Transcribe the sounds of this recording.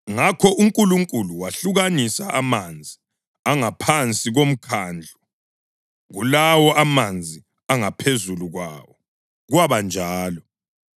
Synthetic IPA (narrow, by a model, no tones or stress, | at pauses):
ŋakʰɔʔuŋkʼuluŋkʼuluwaɬuɣanisaʔamand͡zʱi | aŋapʰant͡sʼiɣom̩kʰaːnd͡ɮʱu | ɣulawɔʔamand͡zʱi | aŋapʰezuluɣwawɔ | ɣwaβand͡ʒʱaːlɔ